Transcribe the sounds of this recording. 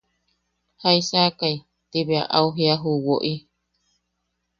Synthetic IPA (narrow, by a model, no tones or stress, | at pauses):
haisaːkai | t̪iβea̰ʔauɦiaɦuwoʔi